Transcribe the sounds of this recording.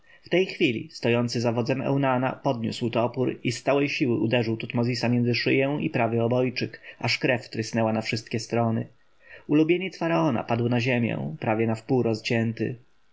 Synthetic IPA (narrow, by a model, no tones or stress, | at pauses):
ft̪ɛjxfʲilʲḭst̪ɔjɔnt̪sɘzavɔd̪zɛmɛ̰wnana̰pɔd̪ɲṵswt̪ɔpuɾist̪sawɛjɕiwɘud̪ɛʐɘwt̪ut̪mɔzʲisamʲjɛnzɘʂɘjɛw̃ipɾavʲjɛɔbɔjt͡ʂɘkʔaʂkɾɛft̪ɾɘsnɛwanafʂɘst̪̚kʲɛst̪ɾɔnɘ̰ | ulubʲjeɲɛt̪sfaɾaɔna̰pad̪wnaʑemʲjɛ̰pɾavʲjɛnafpuwɾɔzt͡ɕɛnt̪ɘ̰